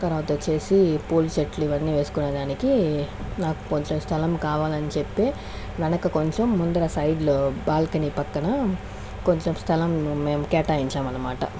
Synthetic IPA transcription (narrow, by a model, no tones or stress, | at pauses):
t̪ɐɾʋaːt̪ɐt͡ʃe̞ːsipuːlt͡ʃeʈluiʋɐnːiːʋe̞ːsu̥kunːɐd̪aːniki | naːku̥ko̞ɲt͡ʃemst̪ʰɐlɐmkaːʋaːlɐnit͡ʃepːeː | ʋɐnɐkɐko̞ɲt͡ʃemːund̪ɐɾɐsɐjɖlubaːlkɐnipɐkːɐnɐ | ko̞ɲt͡ʃemst̪ʰɐlɐmːeːmukɛːʈaːjiɲt͡ʃaːmɐnːɐmaːʈɐ̰